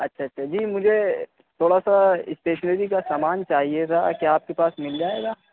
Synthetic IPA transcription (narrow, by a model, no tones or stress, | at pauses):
ɐtːʃʰaɐtːʃʰaːd͡ʒiːmʊd͡ʒʱe | t̪ʰoːɽasaɪ̰sʈeːʃənəɾikasaːmaːnt͡ʃaːɦiet̪ʰa̰ːkiaːp̚kepaːsmɪld͡ʒaːeːɡaː